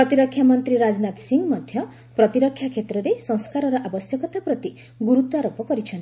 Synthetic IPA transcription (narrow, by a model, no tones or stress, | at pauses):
pɾɔt̪iɾɔkʰjamɔnt̪ɾiɾad͡ʒnat̪siŋɡmɔd̪ʱjɔ | pɾɔt̪iɾɔkʰjakʰet̪ɾɔɾesɔŋskaɾɔɾɔʔabɔsjɔkɔt̪apɾɔt̪i | ɡuɾut̪ɔaɾopɔkɔɾit͡ʃʰɔnt̪i